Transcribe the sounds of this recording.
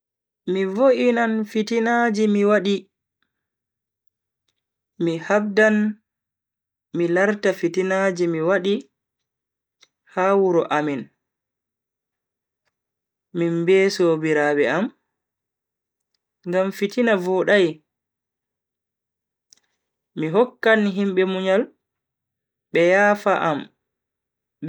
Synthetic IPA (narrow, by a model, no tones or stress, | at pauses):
mivoʔinanfitinad͡ʒimiwaɗi | mihab̚dan | milaɾtafitinad͡ʒimiwaɗi | haːwuɾɔʔamin | mimbɛːsoːbiɾaɓɛam | ŋɡamfitinavɔɗaj | miɦɔkːanɦimɓɛmuɲal | ɓɛjaːfaʔam